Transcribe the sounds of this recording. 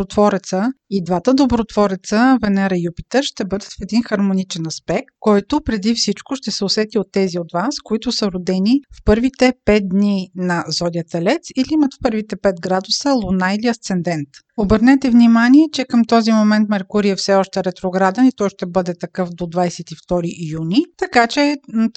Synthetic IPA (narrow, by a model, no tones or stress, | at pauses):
ot̪vɔɾɛt̪səid̪vat̪əd̪obɾot̪vɔɾɛt̪səvɛnɛɾəjupit̪ɛɾʃt̪ɛbɤd̪ət̪fɛd̪inxɐɾmonit͡ʃɛnɐspɛk̚t̪̚kɔjt̪ʊpɾɛd̪ifsit͡ʃkʊʃt̪ɛsɛosɛt̪iot̪ːɛziot̪vaskoit̪ʊsəɾod̪ɛnifpɤɾvit̪ɛpɛt̪̚d̪ninɐzɔd̪iət̪ɛlɛt̪siliimət̪fpɤɾvit̪ɛpɛt̪̚ɡɾad̪ʊsəlˠʊnailiɐst̪sɛnd̪ɛnt̪ | obəɾnɛt̪ɛvnimaniɛt͡ʃɛkəmt̪ɔzimomɛnt̪mɛɾkuɾiɛfsɛɔʃt̪ɛɾɛt̪ɾoɡɾad̪ɛnit̪ɔjʃt̪ɛbɤd̪ɛt̪ɐkɤfd̪od̪vajsɛt̪ift̪ɔɾiʔjunit̪ɐkat͡ʃɛ